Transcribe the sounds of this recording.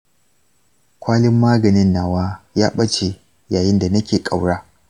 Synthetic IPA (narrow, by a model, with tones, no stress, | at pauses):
kʷaː˦lɪ˦mːaː˦ɡɐ˨nɪ˦nːaː˨waː˦jaː˦ɓɐ˦t͡ʃe˨ | jaː˨jɪ˦nda˨nɐ˦kʲeː˨kʼa˨wɽaː˦